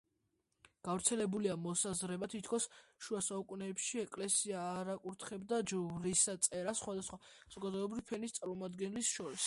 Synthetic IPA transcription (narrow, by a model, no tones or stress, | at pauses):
ɡ̥avɾt̪sʰɛlɛbuliamɔsazɾɛbat̪ʰit̪ʰkʰɔsʃuasaukʼunɛːpʃiɛkʼlɛsiaːɾakʼuɾt̪ʰχɛbd̪ad͡ʒvɾisat̪sʼɛɾasːχwad̪asχwaaz̥ɔɡad̪ɔɛbɾivpʰɛnist̪sʼaɾmɔmad̪ɡɛnlisʃɔɾis